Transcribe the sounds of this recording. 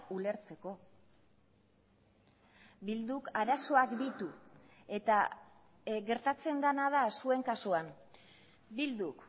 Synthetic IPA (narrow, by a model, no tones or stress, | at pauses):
ule̞ɾt͡se̞ko̞ | bild̪ukaɾaso̞akd̪it̪u | e̞t̪a | ɡe̞ɾt̪at͡se̞nd̪anað̞asue̞ŋkasuam | bild̪uk